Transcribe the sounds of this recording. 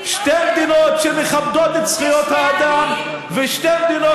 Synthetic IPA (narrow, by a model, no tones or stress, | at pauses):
ʃtɛnd̪ɪnɔtt͡ʃɛnɪχab̚dɔdɪt͡sχijɔthaːd̪am | vɪʃtɛmd̪ɪnɔ